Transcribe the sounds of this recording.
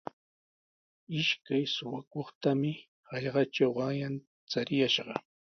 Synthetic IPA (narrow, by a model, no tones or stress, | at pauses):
ɪʃkajsʊwakoχt̪amɪ | hɑʎɢɑt͡ʃawɢɑŋjan | t͡saɾɪjaʃɢɑ